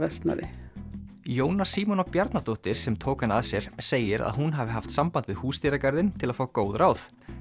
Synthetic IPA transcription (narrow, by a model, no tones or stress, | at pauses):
vɛst̪na̰ðɪ̰ | joːwnasiːmɔnɔpjaɾt̪nat̪oht̪ɪɾ̥sɛmt̪ʰoːkanaðsjɛɾ̥seːjɪɾa̰ðɦunɦavɪɦaft̪sampant̪vɪðhuːst̪iɾakaɾðɪnt̪ʰɪlaðfaːwakoːwðɾʔawθ